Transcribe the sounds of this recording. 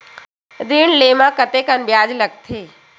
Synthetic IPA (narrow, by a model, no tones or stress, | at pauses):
ɾiɳleːmãkət̪ekənbjaːd͡ʒlɐɡ̚t̪ʰeː